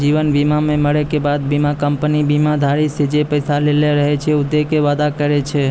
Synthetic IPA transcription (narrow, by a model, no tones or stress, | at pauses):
d͡ʒiʋənbimamẽməɭekebad̪̚bimakəmpənibimad̪ʱaɾised͡ʒepəjsaleleɾəɦet͡ʃʰeʊd̪ekeʋad̪akəɾet͡ʃʰe